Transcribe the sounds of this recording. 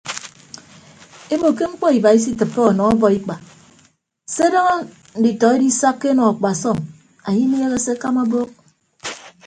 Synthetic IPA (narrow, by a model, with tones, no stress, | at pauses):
e˦bo˨ke˦ŋ͡m̩˦k͡pɔ˦i˨ba˨i˦s̬i˦tɨ˨pfe˦ɔ˨nɔ˨ɔ˦bɔ˨i˦k͡pa˨ | se˦də˦ŋo˦ | n̩˨di˨tɔ˨e˦di˦sa˦kːe˦nɔ˨a˨k͡pa˨sɔ˦˨m | a˨ɲi˦n˦je˦ɣe˦se˦ka˦ma˦bo˦k̚